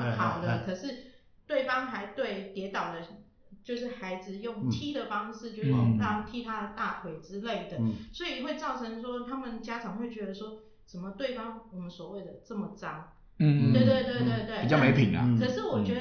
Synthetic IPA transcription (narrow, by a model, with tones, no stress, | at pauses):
xɑ˨˧˩ʊd̪ə˧˦kʰɤ˨˩ʂɻ̩˥˧ | t̪we˥˩ɪfɑ˥ŋxa˧˥ɪt̪we˥˩ɪt̪jɛ˧˥t̪ɑ˨˩ʊd̪ə˦ | t͡ɕjo˥˧ʊʂ̬ɻ̩˥˩xa˧˥ɪd͡zɹ̩˧jʊ˥˩ŋt̪ʰi˥d̪ə˨fɑ˥ŋʂɻ̩˥˧t͡ɕjo˥˧ʊ˥jo˥˧ŋɑ˥˧t̪ʰi˥t̪ʰa˥d̪ə˨t̪a˥˩t̪ʰwe˧˥ɪʈ͡ʂɻ̩˥le˥˩ɪd̪ə˩swɔ˧˥i˨xwe˥˧ɪt͡sɑ˥˩ʊʈ͡ʂʰɤ˧˥ŋʂwɔ˥t̪ʰa˥mə˨nt͡ɕja˥ʈ͡ʂʰɑ˨˩ŋxwe˥˩ɪt͡ɕɥɛ˧˥d̪ə˧ʂwɔ˥ | ʂə˨˩nmə˦t̪we˥˩ɪfɑ˥ŋwɔ˨˩mə˦nswɔ˨˩we˥˩ɪd̪ə˩t͡sə˥˩mə˩ʈ͡ʂɑ˥ŋ̩˥˧ | we˥˩ɪt̪we˥˧ɪt̪we˥˧ɪt̪we˥˧ɪt̪we˥˩ɪi˨˩t͡ɕɑ˥˩˥me˧˥ɪpʰi˨˩˦ŋɐ̰˦kʰɤ˨˩ʂɻ̩˥˩wɔ˨˩t͡ɕɥɛ˧˥d